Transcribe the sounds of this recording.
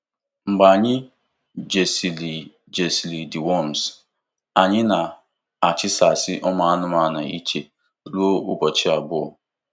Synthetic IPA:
ŋ͡m̩˨ɡ͡ba˨ɲɪ˦ | d͡ʒe˨si˨li˨ | d͡ʒe˨si˨li˨di˨wɔ˦˨m˨s | a˨ɲɪ˦na˨ | a˨t͡ʃɪ˦sa˨sɪ˦ʔɔ˦ma˦a˦nʊ˦ma˦na̰˨i˦t͡ʃe˨ | lo˦ʊ˦bɔ˨t͡ʃɪ˦a˨bʊ˦ɔ̰˨

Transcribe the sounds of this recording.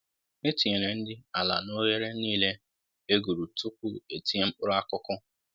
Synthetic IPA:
ne˦ti˨ɲe˨ɾe˨n̩˦dɪ˦a˨la̰˨no˦je˦ɾe˦niː˦le˦ | e˦ɡu˨ɾu˨tu˦k̚ʷu˦e˨ti˦e˦m̩˦k͡pʊ˦ɾʊ˦a˦kʊ˦kʊ˦

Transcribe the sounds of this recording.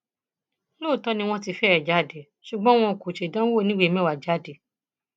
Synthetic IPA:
loː˦˨tɔ˨˦nĩ˧w̃ɔ̃˧ti˧fɛ˦ɛ˨d͡ʒa˨˦˨de˨ | ʃu˨ɡ͡bɔ̃˦w̃ɔ̃˧˨ku˨ʃe˨dã˦o˦˨nĩ˦we˦mɛ̃˦wa˨d͡ʒa˨˦˨de˨

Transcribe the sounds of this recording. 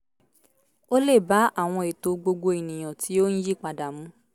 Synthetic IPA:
o˦le˦˨ba˨˦a˦˨w̃ɔ̃˧e˨to˧ɡ͡bo˧ɡ͡bo˧i˨nĩ˨j̃ã˨tʰi˨˦o˦n̩˦ji˦˨k͡pa˨da˨mũ˨˦

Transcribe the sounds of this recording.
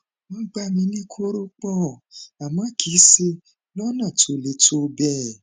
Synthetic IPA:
m̩̃˦ɡ͡ba˧˦˨mĩ˧˦nĩ˦kʰo˦ɾo˦k͡pɔ˦˨a˨mã˨˦kʰi˨˦se˧ | lɔ˦nã˦˨to˨le˧˨to˧˦˧bɛ˦˨

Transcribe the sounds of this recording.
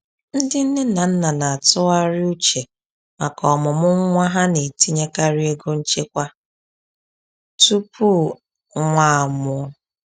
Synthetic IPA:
n̩˦dɪ˦n̩˦nɪ˦na˨n̩˦na˨na˨a˨tʊ˦a˦ɾɪ˦u˦t͡ʃe˨ | ma˨kɔ˨mʊ˨mʊ˦ŋ˦ŋʷa˦ɦa˦ne˨ti˦ɲe˦ka˦ɾi˦e˦ɡo˦n̩˦t͡ʃe˦kʷa˦ | tu˦pu˦ | ŋʷaː˦˨mʊ˨˦

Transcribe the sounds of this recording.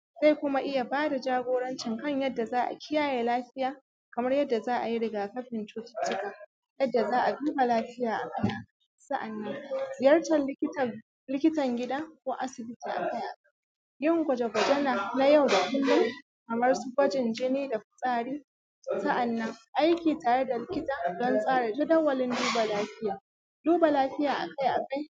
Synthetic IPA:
za˦˨jkʷʊ˦ma˦ʔɪ˦ja˨baː˦da˨d͡ʒaː˦ɡʷoː˦ɽɐ˦nt͡ʃɪ˨ŋkɐ˦ɲjɐ˦dːa˨zaː˦ʔa̰˨kʲʰɪ˦jaː˦jeː˨laː˦ɸɪ˦jaː˨ | kɐ˨mɐ˦rjɐ˦dːa˨zaː˦ʔa˨ji˦ɽɪ˨ɡaː˨kɐ˦ɸɪ˨nt͡ʃoː˦tɪ̥˨tɪ˦ka˨ | jɐ˦dːa˨zaː˦ʔa˨buː˦ba˨laː˦ɸɪ˦jaː˨ʔa˨kɐ˦jaː˨kʼa˨˦sɐ˦ʔa˨nːɐ˦ŋzɪ˨jɐ˦rtɐ˨˦kʲ | lɪ˦kʲɪ˦tɐ˨ŋɡʲɪ˦daː˦kʷoː˦ʔa˦sɪ˨bɪ˦tiː˨ʔa̰˨ka˦jʔa̰˨ka˦j | jɪ˦˨ŋɡʷɐ˨d͡ʒe˨ɡʷɐ˨d͡ʒɛ˦na˨na˦ja˦˨wda˨ʔɪ˦lːa˨ | kɐ˨mɐ˦rsu˦ɡʷɐ˦d͡ʒɪ˨nd͡ʒɛ˦neː˦da˨ɸɪ̥˨sʼaː˦ɽiː˦ | sɐ˦ʔa˨nːɐ˦ŋʔa˦jkʲiː˨taː˨ɽe˦da˨lɪ˦kʲɪ˦taː˨dɔ˦nsʼaː˦ɽa˨d͡ʒɪ˦dɐ˦wːɐ˨lɪ˦nduː˦ba˨laː˦ɸɪ˦jaː˨ | duː˦ba˨laː˦ɸɪ˦jaː˨ʔa̰˨ka˦jʔa˨ka˦j

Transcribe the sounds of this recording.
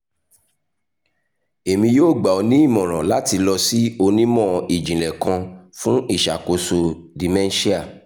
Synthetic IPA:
e˨mĩ˧joː˦˨ɡ͡ba˨o˨˧nĩ˦i˦˨mɔ̃˨ɾ̃ɔ̃˨la˦ti˧lɔ˧si˦o˧nĩ˦mɔ̃˦i˨d͡ʒĩ˨lɛ˨kã˧fũ˦i˦˨ʃa̰˨ko˨˦so˧ | di˨mɛ̃˦n˦ʃi˦a˦˨

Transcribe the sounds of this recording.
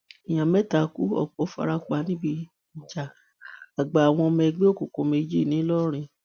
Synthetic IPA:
i˨j̃ã˨mɛ˦ta˨ku˦ɔ̰˦˨k͡pɔ˨˦fa̰˧ɾa˧k͡pa˨˦nĩ˦bi˧ | n̩˨d͡ʒa˨ | a˨ɡ͡ba˨a˨w̃ɔ̃˧mɛ˧ɡ͡be˦o˦˨ko˨ko˧˦me˧˦d͡ʒi˦˨nĩ˨˦lɔ˦ɾ̃ĩ˧

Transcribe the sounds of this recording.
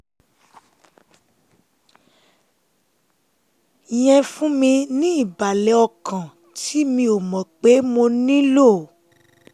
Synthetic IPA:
j̃ɛ̃˧fũ˦mĩ˧nĩ˦i˦˨ba˨lɛ˨˦ɔ˧kʰã˨ | ti˦mĩ˧o˨mɔ̃˨k͡pe˨˦mo˧nĩ˦lo˦˨

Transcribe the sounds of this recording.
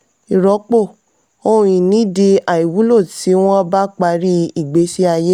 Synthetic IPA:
i˨ɾɔ˨˦k͡po˦˨ | õ˧˨ĩ˨nĩ˨˦di˧a˨i˨wu˨˦lo˦˨ti˨˦w̃ɔ̃˦ba˦k͡pa˧ɾi˦i˦˨ɡ͡be˨˦ʃi˦a˧je˦

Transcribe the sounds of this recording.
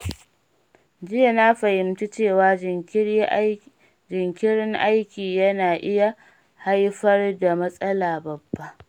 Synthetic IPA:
d͡ʒɪ˦ja˨na˦ɸɐ˨hɪ˨mt͡ʃi˦t͡ʃeː˦˨waː˨˦ | d͡ʒɪ˨ŋkʲɪ˦ɾɪ˦ŋʔa˦jkʲiː˨jɐ˦naː˨ʔɪ˦ja˨ | ha˦jɸɐ˦rda˨mɐ˦sʼɐ˦laː˨bɐ˨bːa˦ʔ

